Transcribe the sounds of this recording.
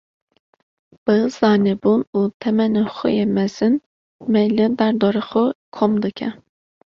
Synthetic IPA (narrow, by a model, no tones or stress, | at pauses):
b̥ɨz̥ɑːnebunut̪ʰɛmɛnɨxo̰jɛmɛz̥ɨn | mɛjlɨd̪æɾd̪oɾɨxokʰomd̪ɨkʲʰɛ